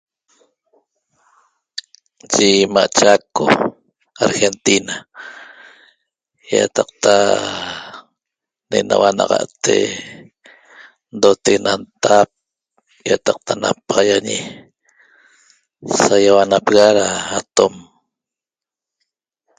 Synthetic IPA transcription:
d͡ʒimaʔt͡ʃakːo̰ | aɾxent̪ina | ja̰t̪ɑq̚t̪a | nenawanɑ̰ʁɑ̰ʔt̪ḛ | nd̪ot̪eɣenant̪ap̚ | jat̪ɑq̚t̪ʰana̰paʁɑjaɲi | sajawanapeɣaɾaːt̪om

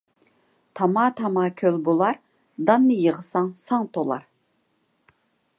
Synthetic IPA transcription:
t̪ʰɑmɑːt̪ʰɑmɑːkʲʰølbolˠɑɾ | d̪ɑnːɨjəʁəsɑŋsɑŋt̪ʰolˠɑ̰ɾ

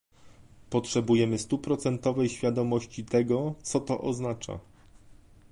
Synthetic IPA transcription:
pɔtʂɛbujɛmɘst̪upɾɔt̪sɛnt̪ɔvɛjɕfʲjad̪ɔmɔɕt͡ɕit̪ɛɡɔt̪sɔt̪ɔ̰ʔɔznat͡ʂa̰

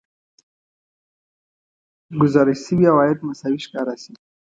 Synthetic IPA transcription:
ɡʊzɑɾɪsibjawɑjad̪masawiʃkɑɾasi

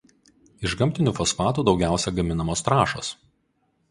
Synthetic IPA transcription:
ɪʒɡɐmʲt̪ʲɪnʲuːfɔsfɑːt̪uːd̪ɒʊɡʲæˑʊsʲɛɡɐmʲɪnɐmoːst̪ɾɑːʃo̰ːs

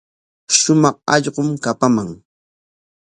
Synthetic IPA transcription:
ʃʊmɑχɑ̰ʎɢʊmkapamaŋ

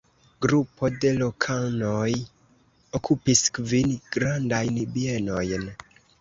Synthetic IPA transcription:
ɡɾupo̞de̞lo̞kʰanoj | okʰupiskvinɡɾandajnbieno̞jn

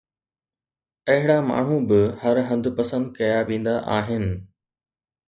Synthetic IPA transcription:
ɐɦɪɽama̰ːɳ̤ũbɪhɐɾɦɐ̃nd̪ʱʊ̆pɐsə̃nd̪̚kɐjaʋẽːn̆d̪aʔaːɦɪnɪ̆

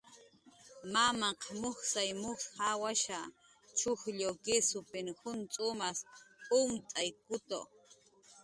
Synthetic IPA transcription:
mamɑqmoxsajmʊsxawaʃa | t͡ʃʊxʎokɪsʊpɪnxʊnt͡sʼʊmasʊmt͡sʼajkʊt̪o̰

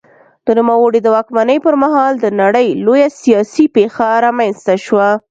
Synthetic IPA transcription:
d̪̥ənumawəɽid̪əwɑkmanəjpəɾmaɦɑld̪ənaɽəjlojasijɑsipexaɾɑmanst̪aʃwa

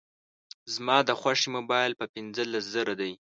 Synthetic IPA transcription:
zmɑd̪əxwaʂimobɑjlpəpɪnzəlaszəɾad̪aj

